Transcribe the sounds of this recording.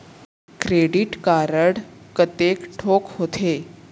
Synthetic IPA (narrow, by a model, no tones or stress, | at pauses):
kɾeɽiʈkaɾəɽkət̪ekʈʰokɦot̪ʰe